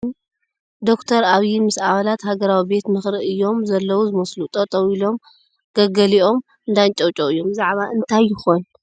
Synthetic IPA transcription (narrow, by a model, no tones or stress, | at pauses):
d̪o̞kt̪ʰɐɾaβjimɨsaβalat̪haɡɐɾawibe̞t̪mɨxɾɨʔɨjːo̞mzɐlːɐwuzɨmɐslut̪ʼɐt̪ʼɐwilo̞m | ɡ̥ɐɡɐliʔo̞m | ɨnd̪ant͡ʃʼɐwt͡ʃʼoɨjːo̞mzaʕβaʔɨnt̪ʰajːɪxon